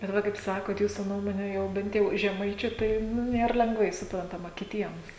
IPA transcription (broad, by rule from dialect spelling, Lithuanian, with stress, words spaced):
bʲɛt ˈʋɐ kɐɪp ˈsɑːkoːt ˈjuːsʊ ˈnuɔmoːnʲɛ ˈjɛʊ ˈbʲɛnt jɛʊ ʒʲɛˈmɐɪt͡ʃʲʊ ˈtɐɪ ˈnʊ ˈnʲeːr lʲɛŋɡˈʋɐɪ sʊprɐntɐˈmɐ kʲɪˈtʲiɛms